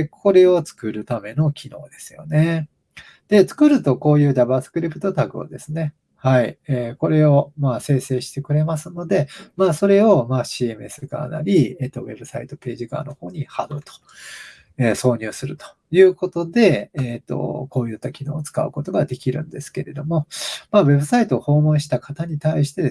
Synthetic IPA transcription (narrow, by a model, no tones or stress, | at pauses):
kʰo̞ɾe̞o̞t͡sɨ̥kɯ̟ɾɯ̟t̪ame̞no̞kʲʰino̞̰ːd̪e̞sɨjo̞̰ne̞ | d̪̥e̞t͡sɨ̥kɯ̟ɾɯ̟t̪o̞ko̞ːjɯ̟ːdabasɨ̥kɯ̟ɾʲipːɯ̟t̪ot̪aɡɯo̰d̪e̞sɨne̞ | haieːko̞ɾe̞o̞maːse̞ːse̞ːɕi̥t̪e̞kɯ̟ɾe̞masɨno̞d̪e̞maːso̞ɾe̞o̞maːɕiːe̞mɯe̞sɨɡa̰ːna̰ɾʲiet̪ːo̞βe̞bɯ̟sait̪o̞pe̞ːʑiɡa̰ːno̞ho̞ːɲ̟ihaɡ̪ɯt̪o̥ | eːso̞ːɲ̟ɨːsɨɾɯ̟t̪o̥ | jɯ̟ːko̞t̪o̞d̪e̞eːt̪ːo̞̰ko̞ːjɯ̟t̪ːakʲino̞ːt͡sɨ̥ka̰ɯ̟ko̞t̪o̞ɡad̪e̞kʲiɾɯ̟̰̃nd̪e̞sɨ̥ke̞ɾe̞d̪o̞mo̞maːβe̞bɯ̟sait̪o̞ːho̞ːmõ̞ɰ̃ɕi̥t̪akat̪aɲ̟it̪aiɕi̥t̪e̞d̪e